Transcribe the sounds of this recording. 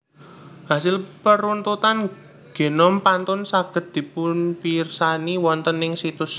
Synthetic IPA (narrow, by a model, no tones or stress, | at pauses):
ɦasɪlpəɾunt̪ut̪an | ɡ̥e̤nɔmpant̪ʊnsaɡ̥ə̤td̪̚d̪̥i̤pʊnpirsaniwɔnt̪ənɪŋsit̪ʊs